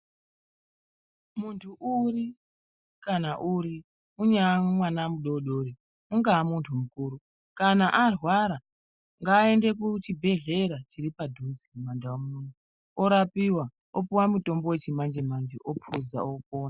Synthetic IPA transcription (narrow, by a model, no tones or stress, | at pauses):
muntʰuʔuri | kanaʔuɾi | uɲamwanamuɗoɗo̞ɾi | uŋɡaːmuntʰumukuːɾu | kanaʔarwaɾa | ŋɡaːe̞nde̞k̬ut͡ʃibʱe̞ɮe̞ɾat͡ʃiɾipadʱuzimumandawomuunu | oɾapiwa | opuwamuto̞mbo̞we̞t͡ʃimand͡ʒe̞mand͡ʒeʔopʰuza̰opoːna